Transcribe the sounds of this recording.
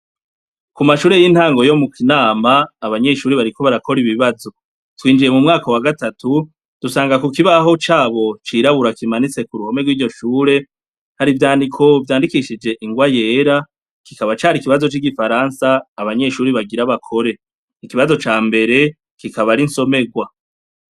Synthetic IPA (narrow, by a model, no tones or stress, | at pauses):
kumaʃuːɾejin̥haːŋɡo̞jo̞mukinaːmaːβaɲe̞ʃuːɾiβaɾiko̞βaɾakʰo̞ɾiβiβazo̞ | twiːnd͡ʒije̞mumŋaːkowaɡatatu | d̥usaːŋɡakukiβaɦo̞t͡ʃaːβo̞t͡ʃiːɾaβuɾakimanit͡se̞kuɾuho̞me̞ɡwiːɟo̞ʃuːɾe̞ | haɾivjaːndikʰo̞vjaːndikiʃid͡ʒe̞ʔiŋɡwaje̞ːɾa | ki̥kaβat͡ʃaːɾikiβazo̞t͡ʃiɡifaɾansaːβaɲe̞ʃuːɾiβaɡiɾaβakʰo̞ɾe̞ | ikiβazo̞t͡ʃaːmbe̞ɾe̞ | kikaβaɾinso̞me̞ɡwa